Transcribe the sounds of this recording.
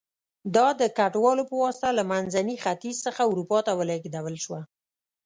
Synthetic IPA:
d̪ɑd̪əkaʈwɑlopəwɑst̪alamanzanixat̪izsəxauɾupɑt̪awəlaɡd̪awəlʃwa

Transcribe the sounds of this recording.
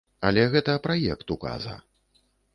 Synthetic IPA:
ɐlʲɛɣɛt̪ɐpɾajɛkt̪uka̰zɐ̰

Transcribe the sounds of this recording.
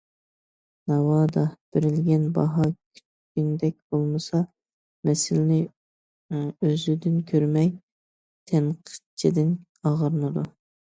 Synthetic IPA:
nɑwɑːd̪ɑb̥ɪɾɪlɡʲɛnbɑ̰ɦɑkʲʰy̥t͡ʃ | kʲynd̪ɛk̚ʲb̥olˠmɨsɑ | mɛsɪlɪnɪ | øzyd̪ɪnkʲʰøɾmɛj | t̪ʰɛnqʰə̥t͡ʃʰid̪ɪn | ɑʁəɾɨnɨd̪u

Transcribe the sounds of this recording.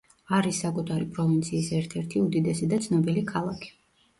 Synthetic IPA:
aɾisːakʼut̪ʰaɾipʼɾɔvint̪sʰiːsɛɾt̪ʰɛɾt̪ʰiud̪id̪ɛsid̪at̪sʰnɔbilikʰalˠakʰi̥

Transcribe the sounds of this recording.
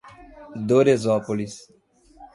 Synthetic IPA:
d̪oɾezɔpolis

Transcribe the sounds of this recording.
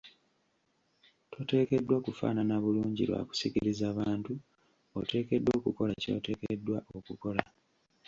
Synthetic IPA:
tʰo̞te̞ːke̞dːwakufa̰ːnanaβuluːɲɟiɾwa̰ku̥sikiɾizaːβaːntu | o̰te̞ːke̞dːoːkuko̞laco̞̰ːte̞ːkedːwaʔokuko̞la

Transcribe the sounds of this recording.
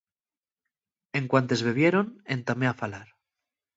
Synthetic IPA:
eŋkwant̪e̞zβe̞β̞jeɾonent̪ameafalaɾ

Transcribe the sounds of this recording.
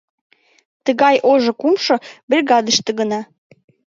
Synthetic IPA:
t̪əɣɑjʔoʒŏkumʃɤ̆berʲɣɑd̪əʃt̪ə̆ɣənɑ

